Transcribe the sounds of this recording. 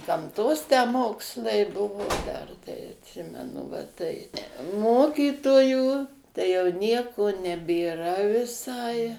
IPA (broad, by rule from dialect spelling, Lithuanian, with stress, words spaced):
ɡɐmˈtoːs tʲæː ˈmoːkslˠɐɪ ˈbʊʋoː ˈdɐr tɐɪ ɐtʲˈsʲɪmʲɛnʊ ʋɐ ˈtɐɪ ˈmoːkʲiːtoːjuː tɐɪ jɛʊ ˈnʲiɛkoː nʲɛbʲeːˈrɐ ʋʲɪˈsɐɪ